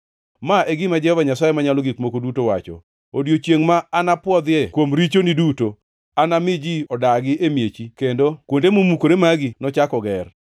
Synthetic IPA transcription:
maʔeɡɪmad͡ʒɛhɔvaɲasajemaɲalɔɡikmokodutowa̰t͡ʃɔ̰ | odjot͡ʃeŋmaanapwɔd̪jekwomɾit͡ʃoniduto | anamɪd͡ʒiɔdaɡɪʔemjet͡ʃikendokwondemomukoɾemaɡɪnɔt͡ʃakɔɡɛr

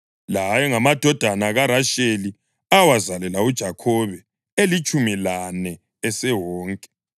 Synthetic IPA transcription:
lajɔŋamad̥ʱɔd̥ʱanaɣaɾaʃeli | awazalɛlaud̥ʒ̥ʱakʰɔβɛ | elit͡ʃʼumilanɛ | ɛsɛwɔːŋkʼɛ̥

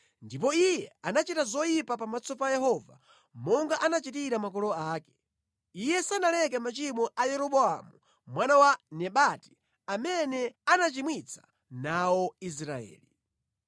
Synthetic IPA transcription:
ndipɔijɛanat͡ʃitazɔjipapamat͡sɔpajɛɦɔva̰ | mɔŋɡaʔanat͡ʃitiɾamak̬ɔlɔaːkɛ̥ | ijɛsanalɛk̬ɛmat͡ʃimɔʔajɛɾɔɓɔa̰mu | mwanawanɛɓati̥ | amɛnɛanat͡ʃimwit͡sʰḁ | nawɔis̬ɾaɛ̰ːli

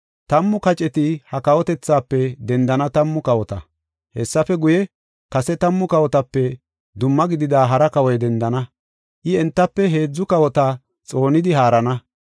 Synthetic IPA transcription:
t̪ɐmːʊkɐt͡ʃʼɛt̪ɪhɐkɐwɔt̪ɛt͡sːaːpːɛd̪ɛnd̪ɐnɐt̪ɐmːʊkɐwɔt̪ɐ | hɛsːɐfɛɡʊjɛ | kɐsɛt̪ɐmːʊkɐwɔt̪ɐpːɛ | d̪ʊmːɐɡɪd̪ɪd̪aːɦɐɾɐkɐwɔjd̪ɛnd̪ɐnɐ | ʔɪɛnt̪ːɐpːɛɦe̞ːd͡zːʊkɐwɔt̪a | t͡sʼo̞ːnɪd̪ɪɦaːɾɐnɐ

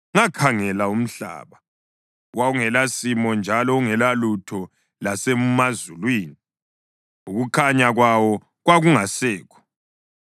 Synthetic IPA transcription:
ŋakʰaŋɛlaum̩ɬa̰ːβa | wauŋɛlasimɔnd͡ʒʱalɔuŋɛlalutʰɔ | lasɛmmazulwiːni | uɣukʰaɲaɣwawɔ | ɣwaɣuŋasɛːkʰɔ̥

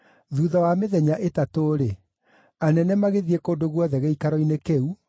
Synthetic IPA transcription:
ðuːðɔwameðɛɲaʔetatoːɾe | anɛnɛmaɣeðiekoːndoɣwɔðɛɣeikaɾɔinekeu

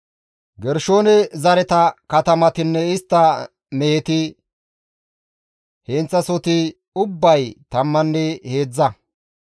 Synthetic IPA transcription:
ɡɛɾʃo̞ːnɛzɐɾɛt̪ɐkɐt̪ɐmɐt̪ɪnːɛɪst̪ːɐ | mɛhɛt̪ɪ | hent͡sːɐsɔt̪ɪ | ʊbːɐjt̪ɐmːɐnːɛheːd͡zːɐ

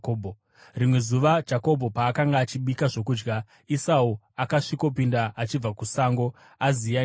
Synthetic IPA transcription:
obʱo | rimwe̞zuʋad͡ʒako̞bʱo̞paːkaŋɡaːt͡ʃiɓikaʐo̞kuːd͡ʒɡa | isau | akaʂiko̞pindaʔat͡ʃib͡vakusaŋɡo̞ | azia

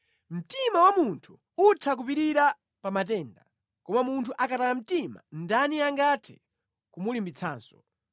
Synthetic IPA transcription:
m̩timawamuntʰu | utʰak̬upiɾiɾa | pamat̬ɛːnda | kɔmamuntʰuʔakatalam̩tima̰ndaniaŋɡatʰɛ | kumulimbit͡sʰaːnsɔ̥

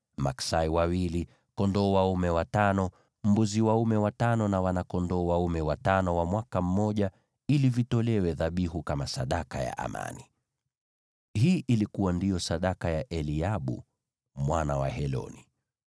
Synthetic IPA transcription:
maksaiwawili | kɔndɔːwaumɛwatanɔ | m̩buziwaumɛwatanɔnawanakɔndɔːwaumɛwatanɔwamwakam̩mɔʄa | ilivitɔlɛwɛðaɓihukamasaɗakaja̰ʔa̰ma̰ni | hiːʔilikuwandijɔsaɗakajaʔɛliaɓṵ | mwanawa̰hɛlɔ̰ni

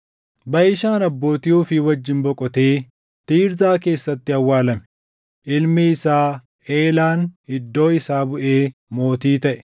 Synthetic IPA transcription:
bɐʔɪʃaːnɐbːo̞ːt̪ɪjuːfɪwɐd͡ʒːɪnbɔkʼɔt̪e̞ː | t̪iːɾzaːke̞ːsːɐt̪ːɪɐwːaːlɐmɛ̥ | ʔɪlmɛɪsaː | eːlaːnɪd̪ːo̞ːɪsaːbʊʔeːmo̞ːt̪iːt̪ɐʔɛ̥

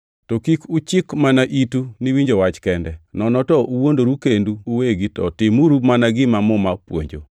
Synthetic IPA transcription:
tɔkikut͡ʃɪkmanaʔituniwiɲd͡ʒowat͡ʃkɛndɛnɔnɔtɔʔuwondoɾukenduːweɡitɔ̰tɪmuɾumanaɡɪmamɔmapwo̰ɲd͡ʒo̰

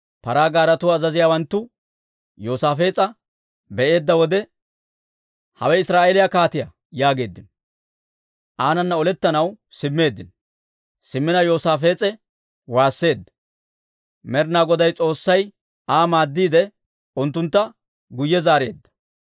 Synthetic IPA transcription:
pɐɾaːɡaːɾɐt̪ʊɐzɐzɪjaːwɐnt̪ːʊ | jo̞ːsaːfe̞ːt͡sʼɐ | bɛʔe̞ːd̪ːɐwɔd̪ɛ | hɐ̰wɛɪsɾaːʔelɪjakaːt̪ɪjɐ | jaːɡe̞ːd̪ːɪnɔ | ʔaːnɐnːɐɔlɛt̪ːɐnɐw | sɪmːe̞ːd̪ːɪn | sɪmːɪnɐjo̞ːsaːfe̞ːt͡sʼɛ | waːsːe̞ːd̪ːɐ̥ | mɛɾnaːɡɔd̪ɐjt͡sʼo̞ːsːɐj | aːmaːd̪ːiːd̪ɛ | ʊnt̪ːʊnt̪ːɐ | ɡʊjːɛzaːɾe̞ːd̪ːɐ̥

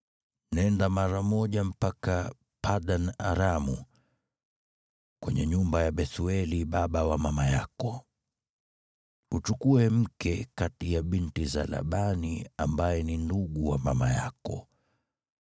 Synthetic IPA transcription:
nɛndamaɾamɔʄam̩paka | pʰaɗana̰ɾamu | kwɛɲɛɲumbajaɓɛθuɛliɓaɓawamamajakɔ | ut͡ʃukuɛm̩kɛkatijaɓintiza̰la̰ɓaniambajɛninduɠuwamamaja̰kɔ̰

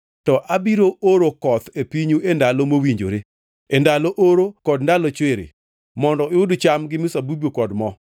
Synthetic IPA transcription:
tɔʔabiɾoʔoɾokɔt̪epiɲuendalɔmowiɲd͡ʒo̰ɾe | endaloʔoɾokɔdndalɔt͡ʃweɾḛ | mɔndɔɪʊdt͡ʃamɡɪmʊsabubokɔdmɔ

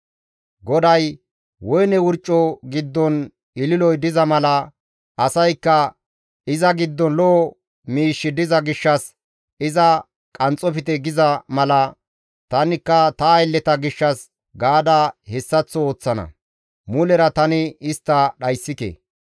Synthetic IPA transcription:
ɡɔd̪ɐj | wɔjnɛwʊɾt͡ʃʼːɔɡɪd̪ːɔn | ɪlɪlɔjd̪ɪzɐmɐlɐ | ʔɐsɐjkːɐ | ɪzɐɡɪd̪ːɔnlɔː | miːʃːɪd̪ɪzɐɡɪʃːɐs | ɪzɐ | kʼɐnt͡sʼɔfɪt̪ɛɡɪzɐmɐlɐ | t̪ɐnɪkːɐt̪ɐːjlːɛt̪ɐɡɪʃːɐs | ɡaːd̪ɐhɛsːɐt͡sːɔoːt͡sːɐnɐ̰ | mʊlɛɾɐt̪ɐnɪɪst̪ːɐɗɐjsːɪkḛ

